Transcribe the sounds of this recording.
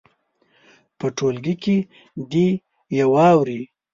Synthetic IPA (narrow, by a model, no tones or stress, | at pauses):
pəʈolɡike | d̪i | jawɑwɾi